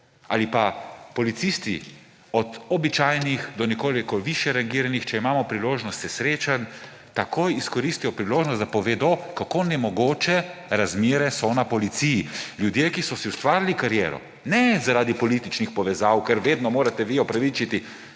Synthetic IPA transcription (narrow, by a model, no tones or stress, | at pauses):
a̰lipapɔlit̪sist̪ḭ | ɔd̪ɔbit͡ʃaːjnixd̪ɔnɛkoːlikɔʋiʃjɛɾaŋɡiːɾanixt͡ʃɛimaːmɔpɾiloːʒnɔst̪sɛsɾeːt͡ʃan | t̪akojiskɔɾist̪ijɔpɾiloːʒnɔst̪d̪apɔʋeːd̪ɔkakoːnɛmɔɡoːt͡ʃɛɾazmeːɾɛsɔnapɔlit̪sijiljud̪jeːkisɔsiust̪ʋaːɾlikaɾjɛːɾɔ̰ | nɛzaɾaːd̪ipɔlit̪it͡ʃnixpɔʋɛzaːwkɛɾʋeːd̪nɔmoːɾat̪ɛʋiɔpɾaʋit͡ʃit̪i